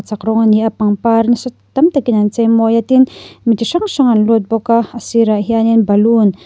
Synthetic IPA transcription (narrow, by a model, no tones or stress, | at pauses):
t͡sakɾɔŋaniʔapaŋpaɾnisɔtt̪amt̪akinant͡sejmojat̪inmitiʂaŋʃaŋanlut̪̚bokaasiɾaʔɦianinbalun